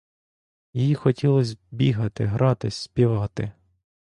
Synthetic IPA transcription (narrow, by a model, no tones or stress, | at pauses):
jijixɔtʲilˠɔsʲbʲiɦɐt̪ɪ̰ɦɾʔɑt̪ɪsʲspʲiʋɑt̪ɪ̰